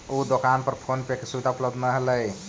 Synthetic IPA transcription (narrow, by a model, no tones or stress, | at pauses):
od̪okanpəɾpʰonpekesubid̪aupləbd̪nəɦələj